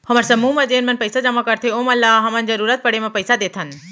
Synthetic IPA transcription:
həməɾsɐmuːmɐ̃d͡ʒeːnmɐ̃npəjsad͡ʒɐmakəɾt̪ʰeoːmɐlːaɦɐmənzəɾuːɾət̪̚pəɽemẽpəɪsad̪eːt̪ʰən

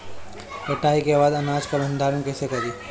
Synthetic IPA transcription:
eʈaːikebaːd̪ɐnaːd͡ʒkɐlʱɐ̃nd̪ʱaːɾənkɛːsekɐɾiː

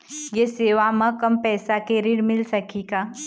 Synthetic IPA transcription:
jeseːʋamɐ̃kɐmpɛːsakeɾiɽmɪlsɐkiɡaː

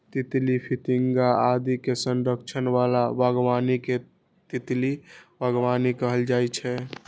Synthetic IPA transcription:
t̪it̪lipʰit̪iŋɡaad̪ikesənɾəkt͡ʃʰənʋalabəɡʋanike | t̪it̪libʱəɡʋanikəɦəld͡ʒajt͡ʃʰɛ

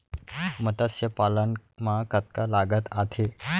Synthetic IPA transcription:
mət̪asjəpalənmakət̪̚kalaɡət̪at̪ʰe

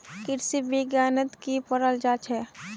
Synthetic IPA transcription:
kɪɾsibɪɡjaːnət̪kipəɾəld͡ʒaːt͡ʃʰɦɛː

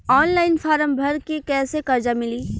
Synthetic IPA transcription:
ɔːnlaːɪnfaːɾəmbʱɐɾkekɛːsekɐɾd͡ʒamɪliː

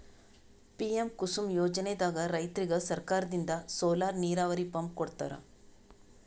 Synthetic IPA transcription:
piɐmkʊsumjoːd͡ʒɐned̪aːɣɐɾɐɪt̪ɪɾiɣɐɭsɐɾkaːɾɐðind̪ɐsoːlaːɾniːɾaːʋɐɾipːɐmkɔɽɯt̪ːɐ̰ɾa̰ːm

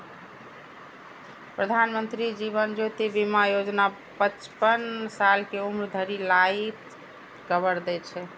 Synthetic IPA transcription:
pɾəd̪ʱanmənt̪ɾid͡ʒiβənd͡ʒot̪ibimajod͡ʒna | pət͡ʃpənsalkeumɾd̪ʱəɾilait̪ | ɡəbəɾd̪ɛt͡ʃʰɛ

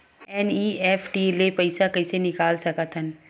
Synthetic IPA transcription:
ɛːniːeːfʰʈiːlepɐɪsakɐɪsenɪkaːlsɐkət̪ʰɦən

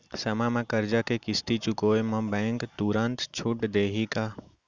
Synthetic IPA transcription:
sɐmãmãkəɾd͡ʒakekɪst̪it͡ʃʊkoːemãbɛ̃ːŋkt̪uɾənt̪t͡ʃʰʊʈd̪eːɦika

